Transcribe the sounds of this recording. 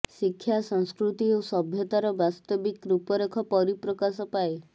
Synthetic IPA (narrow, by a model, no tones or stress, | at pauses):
sikʰːjasɔŋskɾut̪iosɔbʱjɔt̪aɾɔbast̪ɔbikɾupɔɾekʰɔpɔɾipɾɔkasɔpae